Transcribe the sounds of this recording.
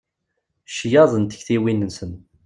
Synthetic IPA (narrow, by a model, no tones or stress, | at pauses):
ʃjɑðˤənt̪ə̥çθiwinənsən